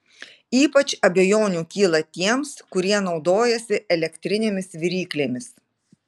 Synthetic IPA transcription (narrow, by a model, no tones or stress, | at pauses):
iːpɐt͡ʃɐbʲɛjoːnʲuːkʲiːlˠɐt̪ʲiɛmskʊɾʲiɛnɒʊd̪oːjɛsʲɪʔɛlʲɛkʲt̪ʲɾʲɪnʲeːmʲɪsʋʲɪɾʲiːklʲeːmʲɪs